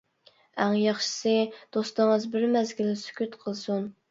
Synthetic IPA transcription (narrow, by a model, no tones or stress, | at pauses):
æŋjɑχʃɨ̥sɨd̪̥ost̪əɴəzbɪɾmɛzɡʲilɪsy̥kʲyt̪qʰəlˠsun